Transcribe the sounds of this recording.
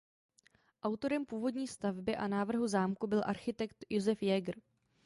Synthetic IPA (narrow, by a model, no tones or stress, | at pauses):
ʔawt̪o̞ɾɛmpuːvo̞dɲiːst̪avbɪʔanaːvr̩ɦuzaːmkubɪlʔaɾxɪt̪ɛkt̪jozɛfjɛɡr̩